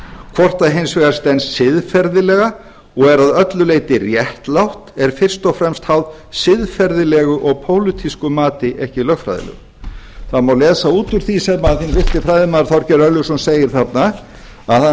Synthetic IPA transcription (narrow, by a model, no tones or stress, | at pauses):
kʰvɔr̥t̪aðɦejnsvɛɣaɾ̥st̪ɛnsːɪðfɛɾðɪlɛɣa | ɔɣɛɾaðœt̪lʏlejt̪ɪrjɛht̪lawht̪ɛɾ̥fɪr̥st̪ɔfɾɛmst̪hawð | sɪðfɛɾðɪlɛɣʏʔɔɣpʰoːwlʏt̪ʰiskʏmaːt̪ɪʔɛhcɪlœxfɾa̰jðɪ̰lɛ̰ɣʏ̰ | θaðmawlɛːsauːt̪ʏɾ̥θisɛmaθinvɪht̪ɪfɾajðɪmaːðɾθɔwɾ̥cɛɾœɾlʏsɔnseːjɪɾ̥θat̪na | aθa